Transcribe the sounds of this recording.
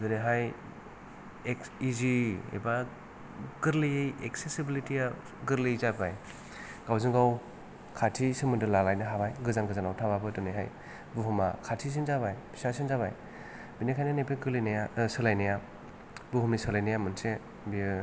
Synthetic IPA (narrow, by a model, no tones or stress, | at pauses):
dɯneɦaj | ek | iziḛba | ɡɯɾlijejek̚sesibilitia | ɡɯɾlizabaj | ɡawziŋɡaw | kʰatʰisɯmɯndɯlalajnɯɦabajɡɯzanɡɯzanawtʰaβabɯdɯneɦaj | buɦuma̰kʰatʰis̬inzabajbʰi̥sasinzaβaj | binekʰajnɯnepʰeɡɯlinajasɯlajnaja | buɦumnisɯlajnajamɯnse | bi